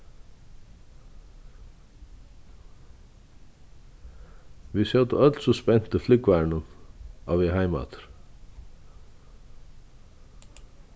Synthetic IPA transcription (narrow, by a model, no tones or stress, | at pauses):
ʋisjœt̪əœt̪lsɔspɛn̥t̪əflʏkvæːɹɳəma̰ʋvɪɦaɪma̰t̪ɾ̥